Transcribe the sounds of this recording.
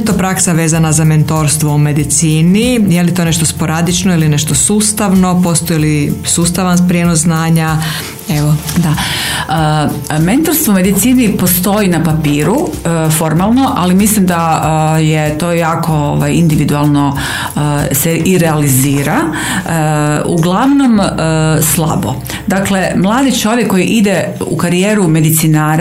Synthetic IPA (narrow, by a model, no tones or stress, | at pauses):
t̪o̞pɾaksaʋeːzanazame̞nt̪o̞ɾst̪ʋoume̞d̪it̪siːnijelit̪one̞ʃt̪ospo̞ɾad̪it͡ʃnoiline̞ʃt̪osuːst̪aʋno̞po̞st̪ojilisuːst̪aʋanpɾjenoszznaːɲa | eʋod̪aəment̪oɾst̪ʋoume̞d̪it̪siːnipost̪o̞inapapiːɾufo̞ɾmalˠno̞ʔalimislimd̪ajet̪o̞ːjaːko̞oʋajind̪iʋid̪ualˠno | seʔiɾɛaliziːɾa | ṵɡlˠaʋno̞məslˠa̰bo̰ | d̪akle̞mlˠaːd̪it͡ʃo̞ʋjekːo̞jiʔid̪e | ṵkaɾijeːɾume̞d̪it̪sinaːɾ